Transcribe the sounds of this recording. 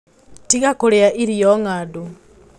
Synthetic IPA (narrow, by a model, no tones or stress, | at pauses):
tiɣakoɾeaʔiɾiɔŋaːdu